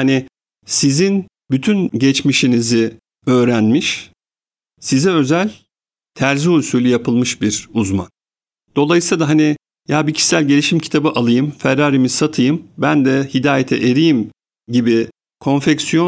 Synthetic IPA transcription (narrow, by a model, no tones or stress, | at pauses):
hani | sizin | byt̪ʰynɟɛt͡ʃmiʃinizɪ | ø̞ːɾænmiʃ | sizɛø̞zælʲ | t̪ʰæɾzihulʲsulʲyjapʰɯlˠmɯʃbiɾuzma̰n | d̪̥o̞lˠajɯsˠad̪aɦani | jaːbicʰi̥sʲælʲɟelʲiʃimcʰi̥t̪ʰabɯʔalˠɯjɯmfɛɾːaːɾimizsat̪ʰɯjɯmbænd̪ɛhid̪aːjet̪ʰɛ̰ʔeɾijim | ɟibi | kʰo̞nfɛcsijo